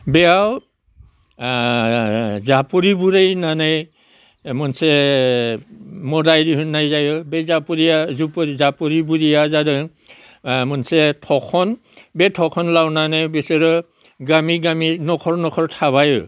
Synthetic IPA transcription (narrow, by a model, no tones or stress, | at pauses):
bɛjaw | zapuɹibuɹejnanaj | mɔnsɛ | mɔdajdiɦunːajzajɔbɛzapuɹiazupizapuɹibuɹijazadɯ | mɔnsɛtʰɔkʰɔn | bɛtʰɔkʰɔnlawnanajbɛsɛɹɔ | ɡamiɡaminɔkʰɔɹnɔkʰɔɹtʰaβajɔ